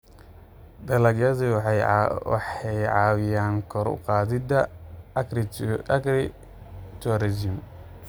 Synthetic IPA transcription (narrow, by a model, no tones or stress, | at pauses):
d̪ɐlɐɡjɐði | wɑ̰ħɛjʕɑːwɪjaːŋkʰɔɾʊ̰qɑːðɪd̪ɐ | t͡ʃ̪ɔɾɛd͡ʒɪm